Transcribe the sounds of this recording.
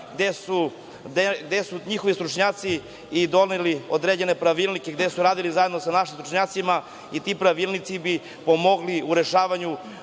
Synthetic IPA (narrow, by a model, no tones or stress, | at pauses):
ɡd̪esu | d̪eɡd̪esuɲixoʋist̪ɾut͡ʃɲaːt̪siː | d̪o̞lneliod̪ɾed͡ʑene̞pɾaʋilnikeɡd̪esuɾaːd̪ilizajed̪no̞sanaʃimst̪ɾu̥t͡ʃɲaːt̪sima | it̪ipɾaʋilˠnit̪sibi | pomo̞ɡliuɾe̞ʃaːʋaɲu